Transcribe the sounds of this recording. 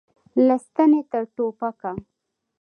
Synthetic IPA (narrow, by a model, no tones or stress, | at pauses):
lɪst̪ənet̪əɾʈopaka